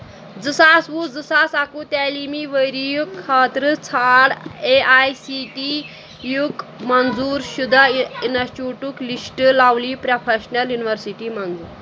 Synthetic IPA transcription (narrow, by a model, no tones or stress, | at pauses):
d͡zəsasʋud͡zəsasakut̪alimiʋəjɾijukʰːaːt̪ɾət͡sʰaɽeʔajsiʈi | jukmənd͡zuːɾʃud̪ʱainat͡ʃuʈuklisʈəlawlipɾapʰeɕnaljuniʋəɾsiʈimɐnd͡zṵːɾ